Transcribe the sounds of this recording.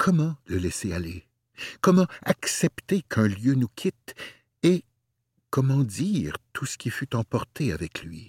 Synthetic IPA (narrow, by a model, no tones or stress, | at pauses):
kʰɔmɑ̃ləlɛseale | kɔmɑ̃a̰ksɛpt̪ekʰɛ̃ljønukʲʰit̪ | e | kɔmɑ̃d̪iːʁt̪ʰusə̥kʲifyt̪ɑ̃pɔʁt̪eavɛkʰlɥḭ